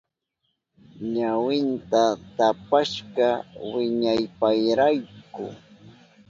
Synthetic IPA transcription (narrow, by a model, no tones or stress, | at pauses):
ɲawɪnt̪at̪apaʃɢɑwɪɲajpajɾajkʊ̰